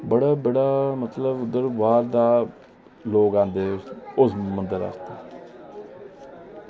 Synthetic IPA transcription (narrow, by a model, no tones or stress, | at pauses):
bəɽaːbəɽaːmət̪ləbʊd̪əɾʋaːɾd̪aː | loːɡãːnd̪eːʊsmənd̪əɾa̰ːst̪aː